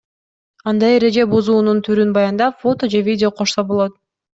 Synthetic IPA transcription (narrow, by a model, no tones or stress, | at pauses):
ɑnd̪ɑje̞ɾe̞d͡ʒe̞buzuːnunt̪ʰyɾynbɑjɑnd̪ɑfo̞t̪o̞d͡ʒe̞vʲidʲɪo̞qʰo̞ʃsobo̞lˠo̞t̪̚